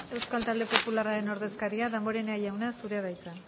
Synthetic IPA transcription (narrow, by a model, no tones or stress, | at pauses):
e̞wskalt̪ald̪epo̞pularaɾe̞no̞ɾðe̞skaɾiaðembo̞ɾe̞neajawnasuɾe̞βajt̪a